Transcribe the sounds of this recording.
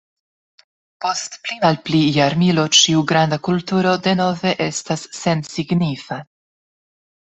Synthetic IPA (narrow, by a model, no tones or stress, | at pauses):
po̞stplimalplijaɾmilo̞t͡ʃiuɡɾandakultuɾo̞de̞no̞ve̞ʔe̞stasːe̞nsiɡnifa